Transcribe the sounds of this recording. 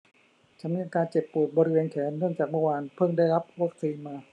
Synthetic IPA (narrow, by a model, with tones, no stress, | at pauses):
t͡ɕʰa˦˥nmi˧˥ʔa˧kaː˧nt͡ɕe˨˩pːu˨˩ət̪̚bɔː˧ɾi˦weː˧nkʰɛː˩˦nːɯ˥˩əŋt͡ɕaː˨˩k̚mɔ˧˥˩waː˧npʰɯ˥˩ŋdaː˥˩jɾa˦˥p̚wa˦˥k̚siː˧nmaː˧